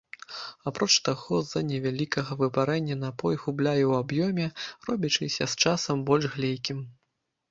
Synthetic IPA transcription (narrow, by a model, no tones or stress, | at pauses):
apɾɔt͡ʂt̪aɣɔzɐnʲɛvʲalʲikɐɣɐvɨbaɾɛnʲːɐnapɔjɣublʲajɛwabjɔmʲɛrɔbʲit͡ʂɨsʲɐst͡ʂasɐmbɔlʲʐɣlʲejkʲim